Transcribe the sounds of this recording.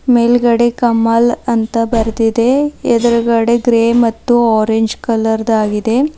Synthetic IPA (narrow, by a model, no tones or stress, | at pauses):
meːlɡɐɽekɐmːalɐnt̪ɐbɐɾd̪id̪e̞ɛd̪ɐɾɐɡɐɽeɡɾeːmɐt̪ːuaːɾeɲd͡ʒkɐlɐɾd̪aːɡid̪e̞